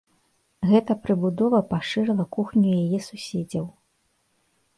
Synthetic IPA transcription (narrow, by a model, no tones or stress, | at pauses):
ɣɛt̪ɐpɾɨbud̪ɔvɐpaʂɨɾɛlˠɐkuxnʲujajɛsusʲɛd͡zʲɐw